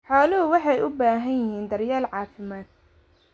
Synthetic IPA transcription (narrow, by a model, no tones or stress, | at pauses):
ħɑːlɐɦʊwɑħɑjʔʊbaːɦɐnjɪhiːnd̪ɐrjaːlʕɑːfɪmaːd̪̚